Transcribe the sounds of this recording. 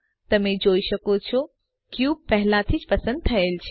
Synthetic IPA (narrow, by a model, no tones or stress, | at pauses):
t̪ɐmẽd͡ʑoːiʃɐkot͡ɕʰo | kijuːpɐɦɪlat̪ʰid͡ʑpɐsə̃nd̪̚t̪ʰɐelt͡ɕʰ